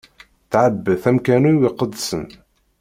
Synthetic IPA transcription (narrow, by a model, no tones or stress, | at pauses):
θʕəbːəθæmkænuwiqəd̪ːsən